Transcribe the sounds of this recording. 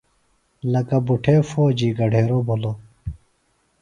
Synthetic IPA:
lɐkɐbuʈʰeːfoːd͡ʑiːɡɐɖʱeːɾobʱolo

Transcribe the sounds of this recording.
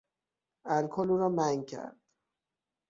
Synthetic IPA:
ælkʰoluːɾɒːmæŋcʰæ̰ɾd̪̥

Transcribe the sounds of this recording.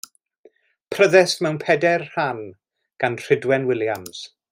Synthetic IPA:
pʰrəðɛsmɛwnpʰɛdɛrhan | ɡ̥anr̥ɪdwɛnwɪljams

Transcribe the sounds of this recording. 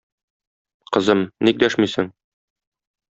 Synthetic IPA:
qɤ̆zɤmnik̚d̪æʃmisɘŋ

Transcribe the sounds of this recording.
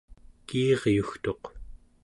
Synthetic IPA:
kiːʁjuxt̪o̞q

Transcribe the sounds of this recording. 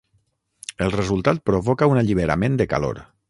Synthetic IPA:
əlˠrəzulˠt̪at̪̚pɾoβɔkaunaʎiβ̞əɾa̰mend̪əka̰lo̰ɾ

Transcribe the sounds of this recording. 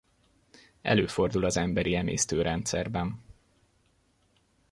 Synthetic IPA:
ɛ̰løːfo̞rd̪ulɒzɛmbɛɾiɛmḛːst̪øːɾɛnt̪sɛrbɛn

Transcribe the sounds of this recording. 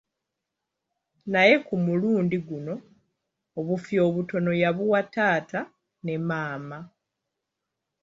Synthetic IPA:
naje̞kumuluːndiɡuno̞ː | βufjo̞ːβuto̞no̞jaβuwataːtʰa | ne̞maːma

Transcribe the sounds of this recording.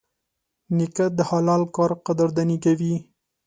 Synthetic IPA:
nɪkad̪əhɑlɑlkɑɾqad̪aɾd̪anikawi

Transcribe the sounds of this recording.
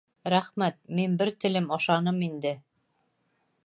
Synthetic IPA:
ɾæχmæt̪̚minbɘɾt̪ɘ̆lɘmɑʃɑnɤmind̪ɘ

